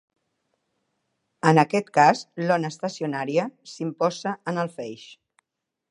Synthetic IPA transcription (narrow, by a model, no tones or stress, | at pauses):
ənəkɛt̪kazlɔnəːst̪əsiunaɾiəsimpɔzəənəlˠfɛjʃ